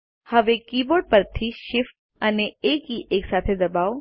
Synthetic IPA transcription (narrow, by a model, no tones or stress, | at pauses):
hɐʋekiːboːɖ̚pəɾt̪ʰiʃɪfʈ | əneeːkɦiʔeːksaːt̪ʰed̪ɐbaːo